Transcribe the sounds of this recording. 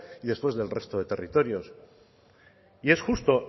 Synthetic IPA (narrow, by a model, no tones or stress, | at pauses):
iðe̞spwe̞zðe̞lre̞st̪oðe̞t̪e̞rit̪o̞ɾjo̞s | ie̞sxust̪o̞